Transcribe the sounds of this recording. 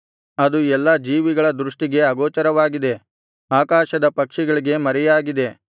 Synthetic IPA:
ɐd̪uɛlːad͡ʒiːʋiɡɐɭɐd̪ɾuʂʈiɡe̞ɐɡɔːt͡ʃɐɾɐʋaːɡid̪e̞ | aːkaːʃɐd̪ɐpɐkʂɛɡɐɭiɡe̞mɐɾɛjaːɡid̪e̞

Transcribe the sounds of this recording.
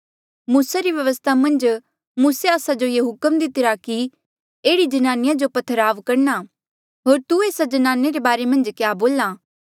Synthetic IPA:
muːsaɾiʋjɐʋəst̪ʰamɐ̃nd͡ʒ | muːseaːsad͡ʒojeɦʊkəmd̪ɪt̪ɪɾaki | eːɽid͡ʒɐnaːnɪjãd͡ʒopɐt̪ʰːəɾaːʋkɐɾna | ɦoːɾt̪ueːsad͡ʒɐnaːneɾebaːɾemɐ̃nd͡ʒkjaːboːlaː

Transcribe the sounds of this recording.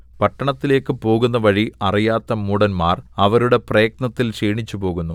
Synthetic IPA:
pɐʈːɐɳɐt̪ːile̞ːkːɨpo̞ːɣun̪ːɐʋɐɻiɐrijaːt̪ːɐmuːɽɐnmaːrɐʋɐɾuɽe̞prejːk̚nɐt̪ːilʂiːɳit͡ɕːupo̞ːɣunːu

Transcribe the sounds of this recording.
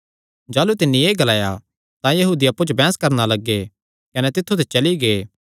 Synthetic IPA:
d͡ʒaːlut̪ɪnːĩeːɡɐlaːja̰ | t̪ãjɐɦuːd̪iɐpːut͡ʃobɛ̃ːskɐɾnalɐɡːe | kɐnɛt̪ɪt̪ʰːut̪̬et͡ʃɐliɡeː

